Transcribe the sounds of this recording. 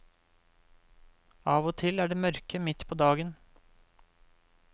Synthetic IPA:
ɑːʋoːt̪ʰɪlæːɖeːmœɾkʰəmɪt̪pʰoːd̪ɑːɡən

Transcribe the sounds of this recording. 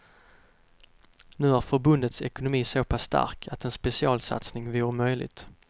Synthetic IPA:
nʉ̟ːæɾfœɾbɵnd̪ət̪sɛkʊnʊmiːsoːpʰasːt̪a̰ɾkʰat̪ɛnspɛsɪɑːlsa̰t̪snɪŋvɪɾmœjlɪ̰ɡt̪

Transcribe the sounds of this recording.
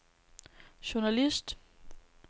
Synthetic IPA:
ɕʊɐnælisd̥

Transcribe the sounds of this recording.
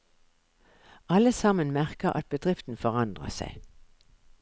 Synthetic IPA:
ʔɑləsɑmənmæʁkəʔɑ̰t̪̚bəd̪ʁɪft̪n̩fɔʁɑnd̪ʁə̰sæ̰ɪ

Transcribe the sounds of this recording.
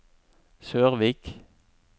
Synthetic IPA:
søːʁʋiːk

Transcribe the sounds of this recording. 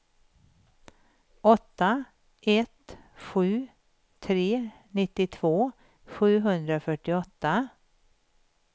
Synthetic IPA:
ʔɔt̪ːa | ʔɛt̪ | ɧʉ̟ː | t̪ʰɾeː | nɪt̪ːɪt̪ʰvoː | ɧʉ̟ːɦɵnd̪ɾaofœʈɪɔt̪ːa

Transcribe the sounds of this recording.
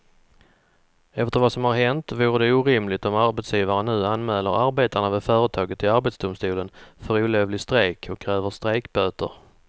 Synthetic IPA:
ɛft̪əɾvasɔmhaɾɦɛnt̪vuːɾəd̪ɛuːɾɪmlɪɡt̪ɔmaɾbɛt̪sjiːvaɾənʉ̟ːanmɛːləɾaɾbeːt̪aɳavɛfœːɾət̪ʰɑːɡət̪ʰːɪaɾbɛt̪sd̪ʊmst̪uːlənfœɾuːleːvlɪst̪ɾeːkʰɔkʰːɾɛːvəst̪ɾeːkbøːt̪ə̰ɾ

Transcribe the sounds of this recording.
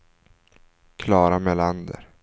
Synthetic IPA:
kʰlɑːɾameland̪ə̰ɾ

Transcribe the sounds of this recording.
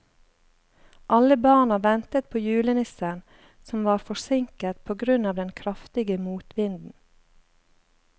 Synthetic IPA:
ʔɑləbɑːɳɑʋɛnt̪ət̪̚pʰoːjʉːlənɪsəɳ | sɔmʋɑːɾfɔsɪŋkət̪pʰoːɡɾʉnɑːʋd̪ɛnkʰɾɑft̪ɪɡəmuːt̪ʋɪnd̪n̩

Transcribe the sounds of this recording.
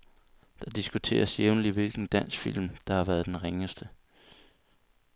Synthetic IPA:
d̥ɑ̈d̥isɡ̥ut͡sʰe̝̰ːɐsjeʊnliʋilɡ̥n̩d̥æn̰sɡ̥fil̰md̥ɑ̈hɑ̈ʋæːɐð̞ˠd̥enʁeŋəsd̥ə

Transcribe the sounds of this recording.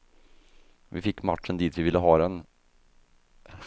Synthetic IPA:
vɪfɪkːmaʈʂənd̪iːt̪vɪvɪlːəɦɑːd̪ɛn

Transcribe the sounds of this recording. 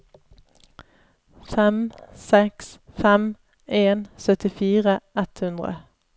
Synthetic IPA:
fɛmsɛksfɛm | eːnsœt̪ɪfiːʁəɛt̪hʉnd̪ʁə̰

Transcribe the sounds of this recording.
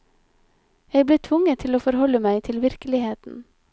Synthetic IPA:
jæɪbleːt̪ʰʋʊŋət̪ʰɪloːfɔɾhɔləmæɪt̪ʰɪlʋɪɾkəlɪheːt̪n̩

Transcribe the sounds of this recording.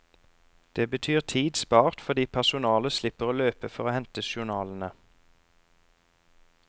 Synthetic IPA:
d̪̥eːbət̪ʰyːʁt̪ʰiːd̪spɑːʁt̪fɔd̪iːpʰæʁsʊnɑːləslɪpəʁoːløːpəfɔʁoːhɛnt̪əʃʊʁnɑːln̩ə

